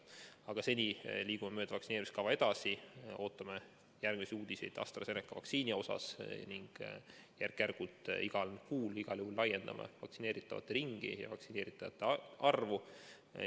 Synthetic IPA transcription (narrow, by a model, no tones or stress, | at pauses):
ɑɡ̥ɑse̞nʲiliːɡ̥umemø̞ːd̪̥ɑvɑksineːɾimist̪kɑvɑed̪̥ɑsio̞ːt̪ˑːɑme | jærɡ̥misiuːd̪̥ise̞jd̪̥ɑ̰st̪rɑse̞nekːˑɑvɑ̰ksiːnʲio̞sɑ̰sniŋɡ̥jærkːærɡ̥ut̪ˑiɡ̥ɑlnkuːliɡ̥ɑljuhulːɑje̞nd̪ɑ̰mɑ̰vɑksine̞ːɾit̪ːˑɑvɑ̰t̪ːeɾiŋɡ̥ḭjɑ̰vɑksine̞ːɾit̪ːˑɑvɑt̪ːˑeʔɑrvu